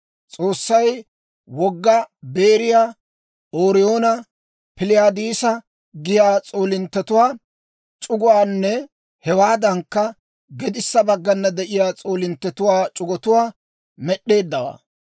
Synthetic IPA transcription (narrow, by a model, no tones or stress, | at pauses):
t͡sʼo̞ːsːɐj | wɔɡːɐbe̞ːɾɪjaː | oːɾɪjo̞ːnɐ | pɪlɪjaːd̪iːsɐ | ɡɪjaːt͡sʼo̞ːlɪnt̪ːɛt̪ʊwaː | t͡ʃʼʊɡʊwaːnːɛ | hɛwaːd̪ɐŋkːɐ | ɡɛd̪ɪsːɐbɐɡːɐnːɐd̪ɛʔɪjaːt͡sʼo̞ːlɪnt̪ːɛt̪ʊwaːt͡ʃʼʊɡɔt̪ʊwaː | mɛɗːe̞ːd̪ːɐwa̰ː